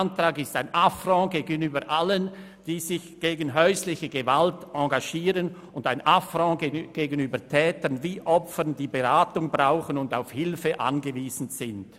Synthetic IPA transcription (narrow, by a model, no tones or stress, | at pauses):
ntʁ̥aːɡɪstaɪnʔafrɔ̃ɡeːɡənyːbəʔalən | d̥iːzɪçɡ̥eːɡən̩ɦœʏslɪçəɡəvaltɑ̃ɡaʃiːʁən | ʊndaɪnʔafʁɑ̃ɡɡ̥eːɡənyːbətʰɛːtənviːʔɔpfənd̥iːbeʁaːtʊŋbʁaʊxənʊnda̰ʊfhɪlfəʔa̰nɡəviːz̥n̩z̥ɪnd